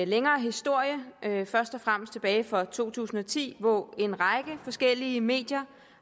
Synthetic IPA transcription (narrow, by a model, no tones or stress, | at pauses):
leŋɐːɦisd̥o̝ɐ̰jəʔøfɶɐsd̥ɒ̽fʁam̰sd̥t͡sʰe̝b̥ɛːɪfɒ̽t͡sʰo̝̰ːt͡sʰṵːsn̩ɒ̽t͡sʰḭːʋɒe̝nʁɑ̈ɪɡ̥əfɒ̽sɡ̥el̰iəme̝̰ːd̥jɐ